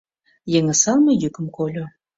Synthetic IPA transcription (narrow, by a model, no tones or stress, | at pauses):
jeŋə̆sɑnmə̆jykə̆mkolʲo